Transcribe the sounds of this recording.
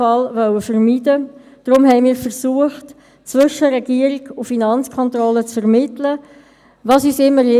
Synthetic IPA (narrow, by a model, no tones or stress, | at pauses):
ɑlvœwəfərmid̥ə | d̥ɾʊmɦɛɪmiːɾfərsuəχt | t͡svʏʃəɾɛɡ̥iəɾiɡ̥ʊfinɑnt͡skʰɔnt̪rɔlət͡sfɛʁmɪtlə | ʋɑːsyːsɪmːəɾje